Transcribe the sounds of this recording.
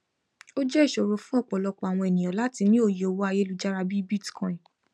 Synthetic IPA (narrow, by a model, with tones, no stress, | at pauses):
o˦d͡ʒɛ˦i˦˨ʃo˨ɾo˧fũ˦ɔ˦˨k͡pɔ˨lɔ˧k͡pɔ˧˨a˨w̃ɔ̃˧ɛ˨nĩ˨j̃ɔ̃˨la˦ti˧nĩ˦o˦˨je˨o˧wo˦a˧je˦lu˧d͡ʒa˦ɾa˧bi˦bi˦˨ti̥˨kɔ̃˨ĩ˨